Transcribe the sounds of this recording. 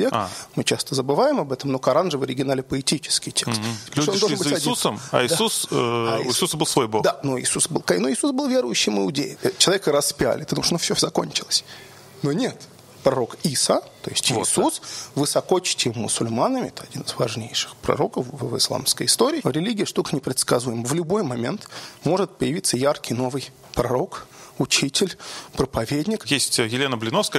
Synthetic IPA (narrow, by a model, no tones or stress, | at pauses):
vʲekmɨt͡ɕast̪əzəbɨvajɪmɐbɛt̪əmnokɐɾanʐɨvɐɾʲɪɡʲɪnalʲɪpəɪtʲit͡ɕɪ̥skʲɪjtʲekst̪ʲːtononnb̪ʲɐiusəma̰ɪd̪usɪsusbɨlˠsvojbod̪anoɪ̰susbɨlˠkanoɪsusbɨlˠvʲeɾʊjʉɕːɪmɨʊdʲḛjmt͡ɕɪlˠɐvʲekəɾɐspʲa̰lʲɪt̪ɨd̪mʂɐnofsʲozɐko̞̰nʲt͡ɕɪlˠəsʲ | nonʲet̪ | pɾɐɾokisət̪o̞̰jɪsʲtʲɪɪsusvɨsɐko̞t͡ɕɪ̥tʲɪmʊsʊlʲmanəmʲɪɛt̪əɐdʲinɨzvɐʐnʲejʂɨ̥xpɾɐ̰ɾo̞kəfvvɨ̰slˠa̰mskəjɪst̪oɾʲɪːɾʲɪlʲiɡʲɪəʂt̪ukə̥nʲɪpɾʲɪt̪skɐzujɪməvlʲʊbo̞jmɐmʲe̞̰nt̪mo̞ʐɨt̪̚pəjɪvʲit̪sːəjarkʲɪjno̞vɨj | pɾɐɾo̞kʊt͡ɕitʲɪlʲpɾəpɐvʲedʲnʲɪkjesʲtʲjɪlʲenəblʲɪnofskə